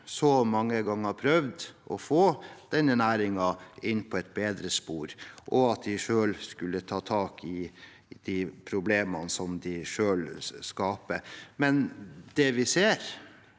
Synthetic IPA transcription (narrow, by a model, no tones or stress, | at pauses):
sɔmɑŋːəɡɑŋːəpʰɾœʋd̪ʔɔfoːd̪̥ɛnːənæːɾɪŋɑɪnːpʰɔɛt̪̚beːd̪ɾəspuːɾʔɔɑt̪̚d̪ɪʂøːlskʉlːət̪ʰɑːt̪ʰɑːkɪ | d̪̥ipʰɾʊbleːmənsɔmd̪ɪʂøːlskɑːpəmɛnd̪̥ɛʋɪseːɾ